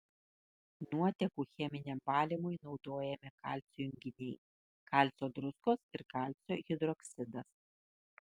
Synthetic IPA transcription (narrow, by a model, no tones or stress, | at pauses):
nuɔt̪ʲɛkuːxʲɛmʲɪnʲɛmbɑːlʲɪmʊɪnɒʊd̪oːjɛmʲɪkɑ̰ːˑlʲt̪ʲsʲʊjʊŋʲɡʲɪnʲɛɪ | kɑˑlʲt̪sʲoːd̪ɾʊskoːsɪɾkɑlʲt̪ʲsʲoːɣʲɪd̪ɾɔksʲɪd̪ɐs